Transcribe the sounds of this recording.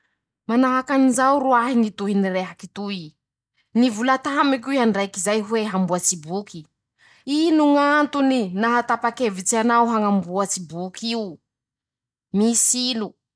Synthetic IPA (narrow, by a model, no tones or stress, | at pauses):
manaɦakanizawɾuaɦiŋit̪uɦinireɦakit̪ui | nivulat̪amikʲuiɦaɳɖ͡ʐajkizajɦweɦambuat͡sibuki | inuŋant̪uninaɦat̪apakevit͡sianawɦaŋambuat͡sibukʰiu | misilu